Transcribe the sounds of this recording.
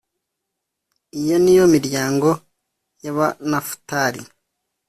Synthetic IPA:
ijo̞nijo̞miɾjaːŋɡo̞ | jaβanafu̥taɾḭ

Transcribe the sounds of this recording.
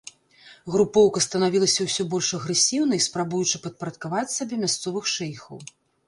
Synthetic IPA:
ɣɾupɔwkɐst̪ɐnavʲilˠɐsʲɐwsʲɔbɔlʲʂɐɣɾɛsʲiwn̪ɐispɾabujut͡ʂɨpɐt̪̚pɐɾɐt̪̚kavat͡sʲsabʲɛmʲast̪sɔvɨxʂɛjxɐw

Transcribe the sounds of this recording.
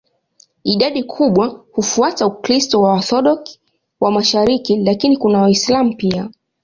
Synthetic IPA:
iɗaɗikʰuɓwahufuatauklistɔwaːθɔɗɔk | wamaʃaɾikilakinikunawaislam̩pia

